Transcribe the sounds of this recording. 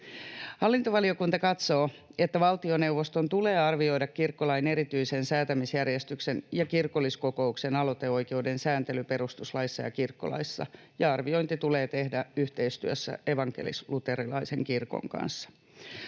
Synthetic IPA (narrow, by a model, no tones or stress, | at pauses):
hɑlːint̪oʋɑlio̞kunt̪ɑkɑt̪so̞ːe̞t̪ːæʋɑlt̪io̞ne̞uʋost̪ont̪ule̞ːɑrʋio̞jdɑkkirkːolɑine̞ɾit̪yise̞nsæːt̪æmisjærjest̪yksenjɑkirkolːisko̞ko̞uksenɑlot̪e̞o̞jke̞ude̞nsæːnt̪e̞lype̞ɾust̪uslɑisːɑ̰jɑ̰kirkːo̰lɑ̰isːɑ̰ | jɑɑrʋio̞jnt̪it̪ule̞ːt̪e̞hdæyht̪e̞ist̪yøsːæ̰ʔe̞ʋɑŋke̞̰lḭslut̪e̞ɾilɑise̞ŋkirko̰ŋkɑ̰nsːɑ̥